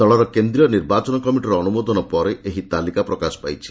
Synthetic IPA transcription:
t̪ɔɭɔɾɔkend̪ɾijɔniɾbat͡ʃɔnɔkɔmiʈiɾɔːnumod̪ʱɔnɔpɔɾeʔeɦit̪alikapɾɔkasɔ̥pajt͡ʃʰi̥

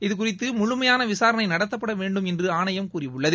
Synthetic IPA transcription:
ɪðɯkʊrɪt̪ːɯmʊɻʊmɐjaːnɐʋɪsaːɾɐnɐɪnɐɽɐt̪ːɐpːɐɽɐʋeːɳɖɯmɛndrɯaːɳɐjɐmkuːrɪʋɯɭːɐðɯ

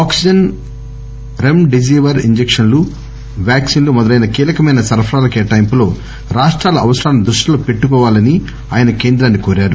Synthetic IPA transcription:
aːksid͡ʒɐn | ɾemɖid͡ʒiːʋɐɾiɲd͡ʒekʂɐnlu | ʋjaːksiːnlumɔd̪ɐlɐjnɐkiːlɐkɐmɐjnɐsɐɾpʰɐɾaːlɐkeːʈɐjmpulo̞ː | ɾaːʂʈɾaːlɐɐʋɐsɾaːnɐmd̪ɾuʂʈilo̞ːpe̞ʈːukɔːʋaːlɐni | aːjɐnɐke̞ːnd̪ɾaːnːikoːɾaːɾu

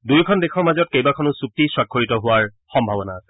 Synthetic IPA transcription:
dujkʰɔndekʰɔɹmazɔt̚kejbakʰɔnʊsuk̚tiswakʰːoɹitɔɦʊaɹ | xɔmbʱabɔna

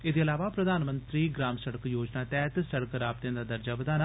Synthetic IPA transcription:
ed̪eːəlaːʋaːpɾəd̪aːnmə̃nt̪ɾiːɡɾaːmsəɽəkjoːd͡ʒnaːt̪ɛːt̪səɽəkɾaːb̚t̪ẽãːd̪aːd̪əɾd͡ʒaːʋəd̪aːnaː

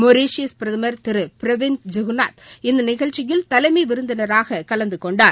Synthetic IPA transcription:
mɔɾeːʂɪjɐspɪɾɐðɯmɐɾt̪ɪɾɯpɪɾɐʋɪnd͡ʒɐɣna̰ːt̪ɪnd̪ɐnɪɣɐɭt͡ʃːɪjɪlt̪ɐlɐɪmɐɪʋɪɾɯnd̪ɐnɐɾaːɣɐkɐlɐnd̪ɯkɔɳɖaː

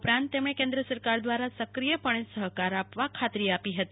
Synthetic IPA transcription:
upɾãnt̪ːemɳ̃ekẽnd̪ɾəsəɾkaɾd̪ʋaɾasəkɾijəpəɳ̃esəɦkaɾapʋakʰat̪ɾiapiɦət̪i

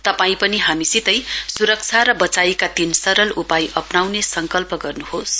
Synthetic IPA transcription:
t̪ʌpaĩpʌniɦamisit̪ʌjsuɾʌk̚t͡sʰaɾʌbʌt͡sajkat̪insʌɾʌlupajʔʌpnawnesʌŋkʌlpʌɡʌrnuhos

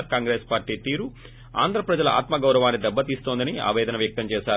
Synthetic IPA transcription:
ɾkaːŋɡɾeːspaːɾʈiːt̪iːɾu | a̰ːnd̪ɾɐpɾɐd͡ʒɐlɐʔa̰ːt̪mɐɡɐwɾɐʋaːnːid̪ɛbːɐt̪iːst̪o̞ːnd̪ɐnia̰ːʋɛːd̪ɐnɐʋjɐk̚t̪ɐmt͡ʃɛːʃaː

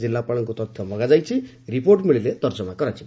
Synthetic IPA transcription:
d͡zilːapaɽɔŋkot̪ʌt̪ʰjʌmʌɡad͡zajt͡sʰi | ɾiporʈmiɭiled̪ʌɾsʌmakʌɾat͡sʰi

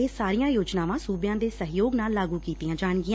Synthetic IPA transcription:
eːsaːɾɪjãːjoːd͡ʒnaːʋãːsuːbjãːd̪eːsəɦjoːɡnaːlːaːɡuːkiːt̪ijãːd͡ʒaːɳɡɪjã

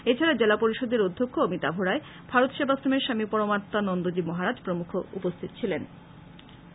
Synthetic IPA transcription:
et͡ɕʰaɾad͡ʑelapoɾiʃod̪eɾod̪ʱːokʰːoomit̪abʱoɾae | bʱaɾot̪ʃebʱast̪ʰomeɾʃamipɔɾomaɾt̪anɔnd̪od͡ʑimɔɦaɾad͡ʑpɾomukʰoṵpost̪ʰit̪o̥t͡ɕʰilen

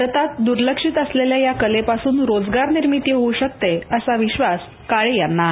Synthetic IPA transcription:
ət̪at̪d̪uɾləkʂiːt̪əsleljajakəlepasuːnɾod͡zɡaɾniɾmit̪jeɦouɕək̚t̪eəsaʋiɕʋas | kaɭejanːa

